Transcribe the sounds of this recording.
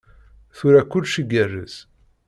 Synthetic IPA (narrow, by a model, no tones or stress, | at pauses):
θuɾækʷːʊlʃiɡərːə̰s